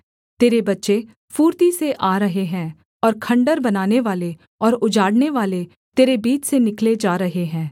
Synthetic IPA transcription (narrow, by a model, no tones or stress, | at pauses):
t̪eːɾebɐtːʃe | fuːɾt̪iseʔaːɾəɦeɦɛ̃ː | ɔːɾkʰɐ̃ɳɖəɾbɐnaːneʋaːle | ɔːɾʊd͡ʒaːɽneʋaːle | t̪eːɾebiːt͡ʃsenɪkled͡ʒaːɾəɦeɦɛ̃ː